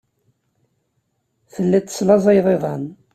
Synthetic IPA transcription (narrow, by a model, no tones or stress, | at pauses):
θəlːit̪ːə̥slɑzˤɑjðˤeðˤɑn